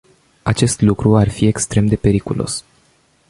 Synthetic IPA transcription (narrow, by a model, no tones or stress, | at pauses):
at͡ʃe̞st̪lukɾuarfie̞kst̪ɾe̞md̪e̞pe̞ɾikulo̞̰s